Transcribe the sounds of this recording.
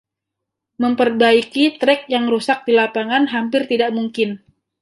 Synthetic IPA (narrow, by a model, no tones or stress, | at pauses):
məmpərbaikit̪ɾɛk̚jaŋɾusak̚dilapaŋanɦampɪrt̪idaʔmuŋkɪn